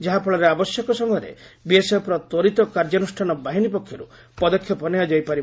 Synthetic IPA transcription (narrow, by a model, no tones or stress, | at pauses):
d͡ʒaɦapʰɔɭaɾeabɔsjɔkɔsɔŋɡɔɾḛ | biesepɾɔt̪wɔɾit̪ɔkaɾd͡ʒɔnusʈʰanɔbaɦinipɔkʰjɔɾu | pɔd̪ɔkʰjɔpɔnejad͡ʒajpaɾi